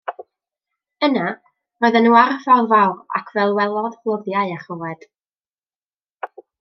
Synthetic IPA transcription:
əna | rɔɨðɛnuːarvalvawra̰kʰvɛlˠwɛlˠɔðvlˠəðjaɨaχɔvɛd̥

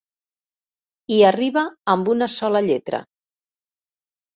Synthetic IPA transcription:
iəriβəːmbunəsɔləʎet̪ɾə̰

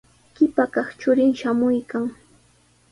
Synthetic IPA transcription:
kɪpakɑχt͡ʃʊɾɪŋʃamʊjkaŋ

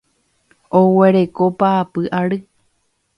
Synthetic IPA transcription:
owe̞ɾeko̞paːpɨʔaɾɨ

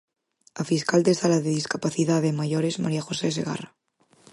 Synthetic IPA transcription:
afiskald̪ezðalaðeðiskapaθiðaðemaʝoɾezma̰ɾiaxo̞seseɣa̰ra

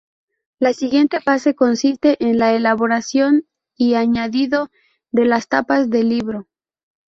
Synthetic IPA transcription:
lasiɣje̞nt̪e̞fase̞ko̞nsist̪e̞ʔenlaelaβo̞ɾasjo̞n | iaɲaðiðo̞ | d̪e̞last̪apazðe̞liβɾo̞

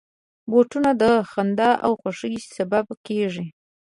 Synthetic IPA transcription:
boʈunad̪əxand̪aʔa̰wxaʂəjsababkeʐi

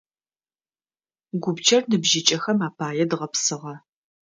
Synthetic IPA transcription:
ɡʷʊbt͡ʃʰɐrnɨbʒɪt͡ʃʼɐxɐmaːpʰaːjɛdʁɐpsɨʁɐ

